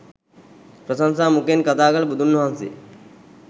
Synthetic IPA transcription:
pɾəsansaːmukenkɐt̪aːɡalɐbud̪ʱunːoɦansḛ

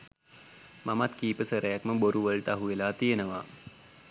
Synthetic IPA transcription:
mamat̪kiːpəsəɾʔəjakməboɾuʋəɭʈəaɦuʋelaːt̪iənəʋaː

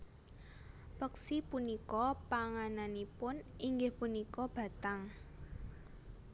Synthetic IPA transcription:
pəksipunikɔpaŋananipʊniŋɡɪhpunikɔb̥a̤t̪aŋ

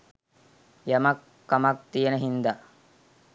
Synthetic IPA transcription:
jɐmɐkːɐmɐk̚t̪ijenəɦind̪a

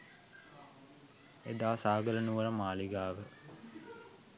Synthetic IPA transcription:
ḛd̪aːsaːɡələnuʋəɾəmaːliɡaːʋə

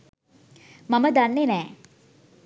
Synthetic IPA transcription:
maməd̪anːenɛː

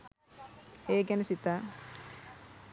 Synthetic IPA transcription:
eːɡɛnɐsit̪a

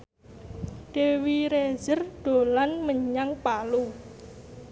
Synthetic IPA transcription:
ɖ̥e̤wiɾezərɖ̥o̤lanməɲaŋpalu

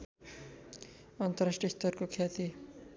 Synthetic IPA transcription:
ʌnt̪ʌɾasʈiist̪ʌɾkokʰjat̪i

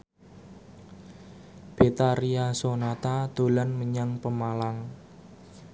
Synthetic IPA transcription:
b̥et̪aɾiasonat̪ad̪̥o̤lanməɲaŋpəmalaŋ

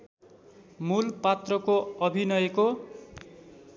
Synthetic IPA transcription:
mulpat̪rʌkoʌbʱinʌjeko

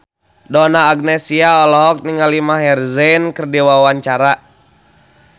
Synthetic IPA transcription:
dɔnaːɡ̚nɛsiaɔlɔɦɔk̚niŋalimaɦɛrzɛnkərdiwawaɲt͡ʃaɾa

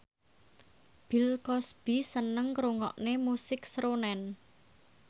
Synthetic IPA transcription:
b̥ilkɔsb̥isənəŋkɾuŋɔ̰ʔnemusɪksɾonɛn

